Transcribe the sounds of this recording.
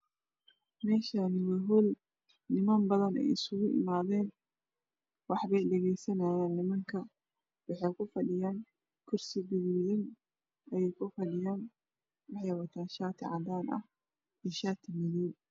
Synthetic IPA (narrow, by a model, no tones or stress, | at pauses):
mɛːʃaːnɪwɛɦʊl | nɪmɐmbɐðɐnɛ̰jɪsʊɣʊʔɪ̰maːðɛːn | wɑħβɛjɗɛɣɛjsɐnaːjaːnːɪmɐŋkʰɐ | wɑħɛjkʰʊfɐɗɪjaːn | kʰʊrsɪbɪɣuːɪn | ɛjɛjkʰʊfɐɗɪjaːn | wɑħjwɐt̪ʰaːnʃaːt̪ʰɪʕad̪aːnɐ̰h | ɪʃaːt̪ʰɪmɪniːn